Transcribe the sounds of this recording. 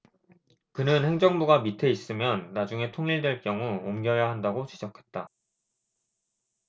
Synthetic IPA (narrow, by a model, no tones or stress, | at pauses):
kɯnɯnhe̞ŋd͡ʑʌŋbuɡamitʰe̞is͈ɯmjʌnːad͡ʑuŋe̞tʰoŋiɭdwe̞ɭkjʌŋuomɡjʌjaɦandaɡot͡ɕid͡ʑʌkʰe̞̥t̚t͈a